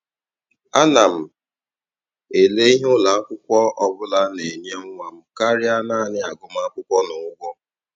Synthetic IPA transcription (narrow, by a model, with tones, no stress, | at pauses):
a˦na˨m̩˨ | e˨le˦i˦ɦʊ˦la˨˦kʷʊ˦kʷɔ˦ɔ˦bʊ˦la˦ne˨ɲ˦e˦ŋ̩ʷ˦a˨m̩˦ka˦ɾɪ˦a˦na˦˨nɪ˦a˨ɡʊ˦m˦a˦kʷʊ˦kʷɔ˦nʊ˨ʊ˦ɡʷɔ˦